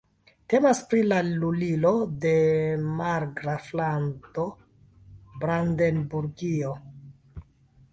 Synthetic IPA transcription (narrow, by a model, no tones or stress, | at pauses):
te̞maspɾilalulilo̞de̞maɾɡɾaflanto̞ | bɾande̞nbuɾɡio